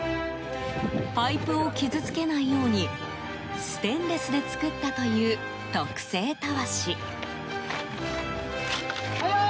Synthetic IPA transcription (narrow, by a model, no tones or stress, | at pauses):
paipɯ̟o̞kʲizɨt͡sɨ̥ke̞naijo̞ːɲ̟i | sɨ̥t̪ẽ̞nɾe̞sɨd̪e̞t͡sɨ̥kɯ̟t̪ːat̪o̞jɯ̟ː | t̪okɯ̟̥se̞ːt̪aβaɕi